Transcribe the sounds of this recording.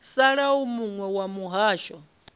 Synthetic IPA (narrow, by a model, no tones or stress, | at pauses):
saɺaumuŋwɛwamuɦaːʃɔ